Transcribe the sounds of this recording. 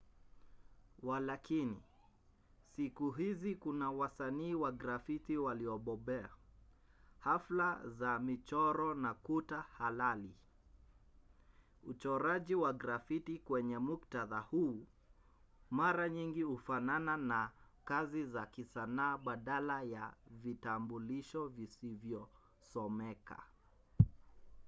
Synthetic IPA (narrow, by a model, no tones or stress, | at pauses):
walakini | sikuɦizikunawasaniːwaɡɾafitiwaliɔɓɔɓɛa̰ | haflazamit͡ʃɔɾɔnakutahalali | ut͡ʃɔɾaʄiwaɡɾafitikwɛɲɛmuktaðahuː | maɾaɲiŋɡihufanananakazizakisanaːɓaɗalajavitambuliʃɔvisivjɔ | sɔmɛka̰